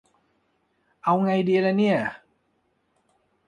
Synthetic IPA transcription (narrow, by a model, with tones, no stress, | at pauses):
ʔa˧wŋa˧jdiː˧lɛ˦˥ni˥˩ɐ